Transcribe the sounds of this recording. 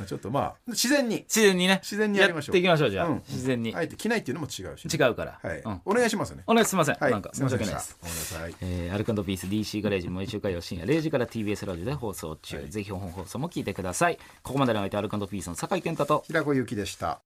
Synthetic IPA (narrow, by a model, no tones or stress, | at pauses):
t͡ɕot̪ːoma̰ːɕizẽ̞ɲ̟ːiɕizẽ̞ɲ̟ːine̞ɕizẽɲ̟ːijaɾimaoːe̞ikʲimaɕ̬o̞ːʑãɕizẽ̞ɲ̟ːiaet̪ːekʲinait̪eiɯ̟nomot͡ɕiɡa̟t͡ɕiɡaɯ̟kaɾa̰haiɯ̟̃ɴoneɡaiɕimasɨneoneasimas̬ẽŋanãŋka̰mmoɕiakea̰saeːaɾɯ̟kãnd̪opʲiːsɨd̪ʲiːɕiːɡaɾe̞ːʑimoiɕɨːkãjjoɕĩja̰ɾe̞ːʑikaɾat̪iːbiːe̞sɨɾaʑiod̪e̞ɦo̞ːso̞̰ːt͡ɕɨ̰ːze̞çihoɦõŋɦo̞ːso̞ːmo̞kʲiːt̪e̞kɯ̟d̪asai | ko̞komad̪eɾiait̪eaɾɯ̟kãnd̪opʲiːsɨno̞sakait̪ẽnt̪at̪o̞çiɾakojɯ̟ːkʲid̪e̞ɕi̥t̪a̰